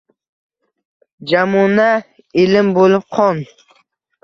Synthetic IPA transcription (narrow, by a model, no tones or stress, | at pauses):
d͡ʒamuna | ɪlɪmbolɪp̚qʰɒn